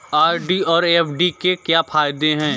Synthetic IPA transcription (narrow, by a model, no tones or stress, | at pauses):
aːɾɖiɔːɾepʰɖikekjaːfʰaːjd̪eɦɛ̃ː